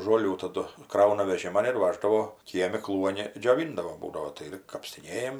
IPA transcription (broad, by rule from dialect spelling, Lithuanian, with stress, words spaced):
ʒoːˈlʲuː tɐˈdʊ ˈkrɐʊnɐ ʋʲɛˈʒʲɪmɐn ɪr ˈʋɑːʒdɐʋoː ˈkʲiɛmʲɪ ˈklˠuɔnʲɪ d͡ʒʲoːˈʋʲɪndɐʋoː ˈbuːdɐʋoː tɐɪ ˈɪr kɐpʲsʲtʲɪˈnʲeːjɛm